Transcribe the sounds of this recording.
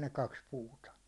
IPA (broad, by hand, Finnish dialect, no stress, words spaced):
ne kɑks puːtɑ